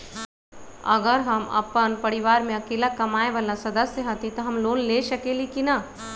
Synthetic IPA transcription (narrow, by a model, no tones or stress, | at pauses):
ɐ̰ɡəɾɦɐmɐ̰pənpɐɾɪʋaːɾmẽɐkeːlakɐmaːeʋəlasɐd̪əsjəɦɐt̪it̪oɦɐmloːnleːʃɐkeːlikina